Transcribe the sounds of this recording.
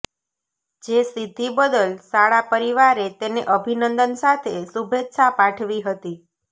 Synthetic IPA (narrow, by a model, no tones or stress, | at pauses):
d͡ʒest̪it̪ibəd̪əlsaɭapəɾiʋaɾet̪eneʔəbʱinənd̪ənsat̪ʰesubʱet̪sapãʈʰʋiɦət̪i